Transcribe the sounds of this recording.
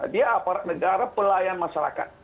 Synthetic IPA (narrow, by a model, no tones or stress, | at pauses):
diaapaɾaʔ̚nəɡaɾapəlajanmaʃaɾa̰ka̰t̪̚